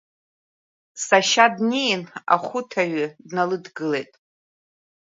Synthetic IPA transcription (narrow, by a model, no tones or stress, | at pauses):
saʃadnejna̰χʷʊtʰaɥʏdnalɨdɡɨle̞jtʼ